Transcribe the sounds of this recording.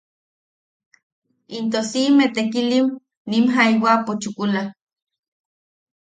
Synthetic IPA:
int̪osimet̪ekiliw | nimɦaiwapot͡ʃukula

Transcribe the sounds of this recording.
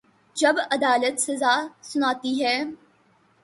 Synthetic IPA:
d͡ʒɐbɐd̪aːlət̪sɐzaːsʊnaːt̪iɦɛː

